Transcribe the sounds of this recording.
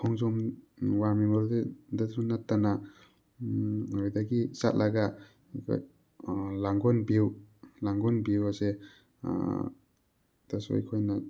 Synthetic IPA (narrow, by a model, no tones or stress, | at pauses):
kʰɔŋzɔmwamimaɾdedasunatːana | ɔjdaɡisa̰tlʔaɡa | kʰa̰j | laŋɡɔnbiwlaŋɡɔnbiwasḛ | d̥asɔ̰jkʰojna